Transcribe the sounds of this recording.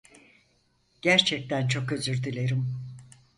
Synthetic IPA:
ɟ̥æɾt͡ʃʰɛc̚t̪ʰænt͡ʃʰo̞køzyɾd̪ilʲe̞ɾim

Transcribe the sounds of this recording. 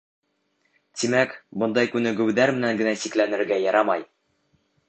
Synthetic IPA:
t̪imækbŏnd̪ɑjkʉnɘ̆ɡʉ̆wðæɾmɘ̆næŋɡɘ̆næsiklænɘ̆ɾɡæjɑɾɑmɑj

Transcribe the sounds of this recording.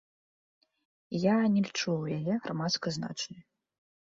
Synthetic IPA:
janʲɛlʲit͡ʂuwjajɛɣɾʔamat̪skɐzna̰t͡ʂnɨ

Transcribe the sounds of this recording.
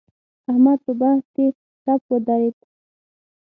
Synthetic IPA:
ahmad̪̚pəbahske | t̪apwəd̪aɾet̪

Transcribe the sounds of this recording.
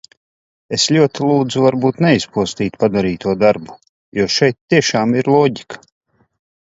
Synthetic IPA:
eslʲuɔt̪ilˠuːd̪zuvaɾbuːt̪nɛispuɔst̪iːt̪pad̪aɾiːt̪uɔd̪aɾbu̥ | juɔʃɛjt̪ːiɛʃaːmiɾlˠɔːɟikḁ

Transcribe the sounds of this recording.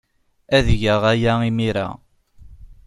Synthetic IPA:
æðʝəʁæjæimiɾa̰

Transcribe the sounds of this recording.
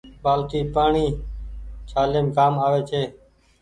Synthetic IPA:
ɓaːlt̪iːpaːɳiː | t͡ʃʰaːleːmkaːmaːʋeːt͡ʃʰeː

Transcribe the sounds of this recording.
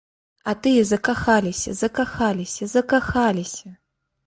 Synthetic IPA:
at̪ɨjɛzɐkaxalʲisʲɐ̰zɐkaxalʲisʲɐzɐkaxalʲisʲɐ

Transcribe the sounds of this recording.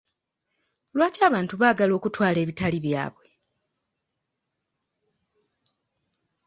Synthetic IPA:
lwaːcaːβaːntuβaːɡalo̞ːkutwaːle̞ːβitaliβja̰ːβwe̞

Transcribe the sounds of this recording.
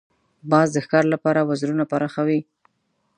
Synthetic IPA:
bɑzd̪əxkɑɾlapɑɾawazɾunapaɾɑxawi

